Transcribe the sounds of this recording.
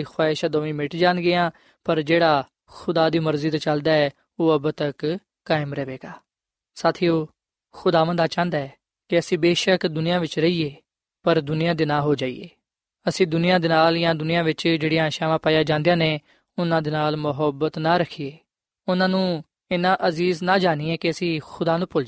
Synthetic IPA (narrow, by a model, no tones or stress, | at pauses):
ixʰwaːɪʃad̪oːmĩːmɪʈd͡ʒãːnɡɪãː | pəɾd͡ʒeːɽaː | xʊd̪aːd̪iːməɾziːt̪at͡ʃəld̪aːɛː | oːəbt̪ək | kːaːɪmɾɛːʋeːɡaː | saːt̪ʰiːoː | xʊd̪aːʋə̃nd̪aːt͡ʃãːnd̪aːɛː | kɪəsĩːbeːʃəkd̪ʊnɪjãːʋɪt͡ʃɾəiːeː | pəɾd̪ʊnɪjãːd̪ɪnãːɦoːd͡ʒaːḭːḛː | əsĩːd̪ʊnɪjãːd̪eːnaːljãːd̪ʊnɪjãːʋɪt͡ʃd͡ʒeːɽijãːʃaːʋãːpaːjaːd͡ʒãːnd̪ejãːneː | ʊnãːd̪eːnaːlmʊɦəbət̪naːɾəkʰiːeː | ʊnãːnũː | ɪnãːʔəziːznaːd͡ʒaːniːɛːkɪəsĩːxʊd̪aːnũːpʊl